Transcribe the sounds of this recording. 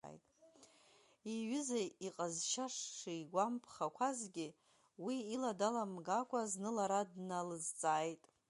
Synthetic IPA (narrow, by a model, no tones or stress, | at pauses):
jtʼ | iɥɪzaiqʼazʃaʂːijɡʷampʰχakʷʰazɡʲɪ | wiiladalamɡakʷʼaznɨlaɾadnalɨzt͡sʼaːjtʼ